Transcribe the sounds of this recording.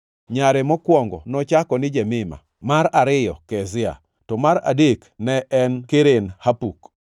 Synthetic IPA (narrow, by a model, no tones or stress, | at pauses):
ɲaɾɛmɔkwɔŋɡɔ̰nɔt͡ʃakɔnɪd͡ʒɛmɪma̰ | maɾaɾɪjɔ̰kɛzɪa̰ | tɔmaɾa̰deknɛʔɛnkeɾenhapuk